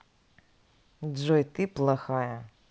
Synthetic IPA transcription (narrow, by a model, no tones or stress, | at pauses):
ʐɔjt̪ɨplˠaxajɐ